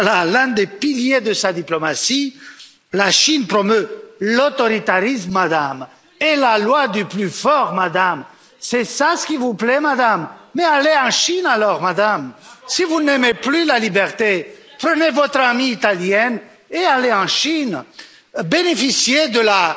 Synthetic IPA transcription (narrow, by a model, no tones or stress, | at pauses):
lalɛ̃d̪epiljed̪əsad̪iplɔmasi | laʃinpχɔmølot̪ɔʁit̪aʁismːad̪am | elalwad̪yplyfɔʁmad̪am | sɛsasə̥kʲivuplɛmad̪amːɛaleɑ̃ʃinalɔʁmad̪amsivunemeplylalibɛʁt̪e | pχənevɔt̪χamiːt̪aljɛn | ealeɑ̃ʃin | benefisjed̪əla